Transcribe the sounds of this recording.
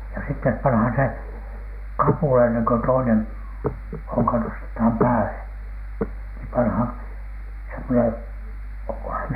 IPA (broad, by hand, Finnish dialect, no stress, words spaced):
jɑ sitːep pɑnhɑn se kɑpuˑlɑ enːeŋ ko toinen hoŋkɑ nostethɑm pæːle niː pɑnhɑn semːonen oŋkohɑn